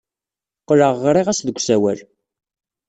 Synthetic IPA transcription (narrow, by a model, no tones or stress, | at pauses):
qːləʁːɾˤiʁæsðəɡʷsæwæl